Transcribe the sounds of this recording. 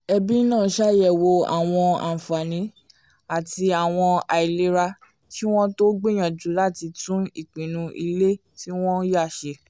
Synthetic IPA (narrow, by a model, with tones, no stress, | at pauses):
ɛ˧bi˦nãː˦˨˦ʃa˦jɛ˦˨wo˧a̰˨w̃ɔ̃˧a̰˨fa˨nĩ˨˦ | a˨ti˧a˨w̃ɔ̃˧a˨i˨le˦ɾa˧ | ki˦w̃ɔ̃˦to˦ɡ͡bi˦˨j̃ã˨d͡ʒũ˨˦la˦˨ti˧tũ˦i˨k͡pĩ˨nũ˧ḭ˧le˦ | ti˦w̃ɔ̃˦ja˦˨ʃe˧˨